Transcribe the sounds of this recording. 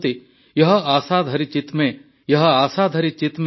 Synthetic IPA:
t̪i | jɐɦə̆aːsaːd̪ʱɐɾit͡ʃɪt̪mẽ | jɐɦəaːsaːd̪ʱɐɾit͡ʃɪt̪m

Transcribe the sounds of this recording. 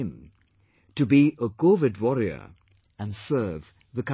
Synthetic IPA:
ɪ̃m | tɨbiʔəkʰovɨdwɔɹiə̰˞ | ɨ̃nsɜ˞v | ðɨkʌ

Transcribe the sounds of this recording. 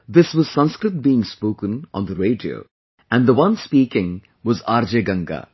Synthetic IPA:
d̪ɪsʋɔz̥sʌ̃nskɾɨt̚biːɪ̃ŋspoːkə̃nʔɔ̰̃nd̪əɾeːɖio̰ː | æ̃nd̪əʋʌ̃nspiːkɪ̃ŋ | ʋɔzaːɾd͡ʒeɡʌ̃ŋɡa̰ː

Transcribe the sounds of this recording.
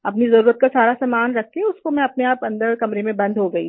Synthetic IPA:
ɐpnizɐɾuːɾət̪̚kasaːɾasaːmaːnɾɐkʰːeʊskomɛ̃ɐpneaːpɐ̃nd̪əɾkɐmɾemẽbɐ̃nd̪ʱɦoɡɐḭ

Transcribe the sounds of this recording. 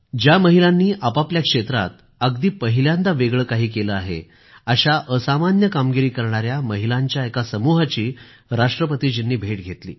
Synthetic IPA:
d͡ʑjaməɦilanːiːʔapapljakʂet̪ɾa̰t̪̚ | əɡd̪iːpəɦiljãnd̪aʋeɡɭəːkaɦiːkeləaɦḛ | aɕaʔəsamanjəkamɡiɾiːkəɾɳaɾjaməɦilaɲt͡ɕjaekasəmuɦat͡ɕiː | ɾaʂʈɾəpət̪iːd͡ʑinːiːbʱeʈɡʱet̪lḭː

